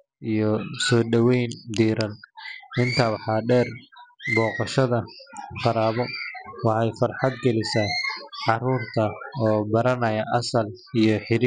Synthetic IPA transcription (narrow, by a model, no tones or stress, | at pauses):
ʔijɔsɔːɖɐwɛjnd̪iːɾɐnʔɪnt̪ʰɐwɑħɑːɖɛːrbɔːqɑʃɐðɐqɑɾaːβɔwɑħɛjfɐrħɑd̪ɡɐlɪsaːʕɑɾuːrt̪ʰɐɔːbɐɾɐnɐjɐʔɐsɐl | ijɔħɪɾi